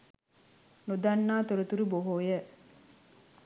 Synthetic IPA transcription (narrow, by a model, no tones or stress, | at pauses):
nud̪anːaːt̪oɾut̪uɾuboɦoːjə